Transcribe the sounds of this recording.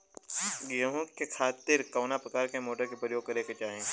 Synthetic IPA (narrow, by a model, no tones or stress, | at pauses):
ɡɐɦũkekʰaːt̪ɪɾkɐːnapɾɐkaːɾkemoːʈəɾkepɾəjoːɡ̚kɐɾeket͡ʃaːɦẽː